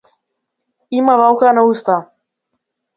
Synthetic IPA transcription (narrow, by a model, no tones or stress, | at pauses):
imavalˠkanaust̪a